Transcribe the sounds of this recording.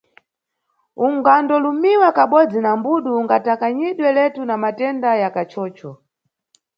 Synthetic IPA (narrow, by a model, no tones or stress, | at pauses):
uŋɡandɔlumiwakaɓɔd͡zinambuɗuuŋɡatakaɲiɗwɛlɛtunamatɛndajakat͡ʃʰɔːt͡ʃɔ